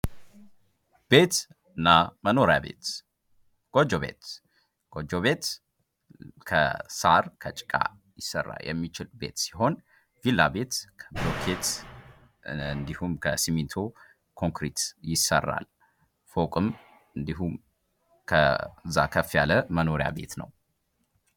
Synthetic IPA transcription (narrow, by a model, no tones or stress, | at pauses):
b̥e̞t̪ | ɨnːaməno̞ɾjabe̞̰t̪ | ɡ̥od͡ʒoβe̞̰t̪ | ɡ̥od͡ʒoβe̞t̪ | kʰə̰saɾkʰət͡ʃʼɪ̥kʼa̰ | jɪsːərːa̰ljʔɛ̰mːit͡ʃɪlbe̞̰t̪si̥ɦo̞n | vilːabe̞t̪kʰəblokʰet̪ | nd̪ihumkʰəsimint̪ʰo | kʰo̞ŋkɾit̪jɪsːə̰rːa̰l | fokʼɨm | ɨnd̪iɦum | kʰə̰zːa̰kʰəfjaləməno̞ɾja̰be̞t̪nə̰w